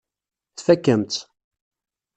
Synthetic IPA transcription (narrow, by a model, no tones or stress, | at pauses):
θfækːəmt̪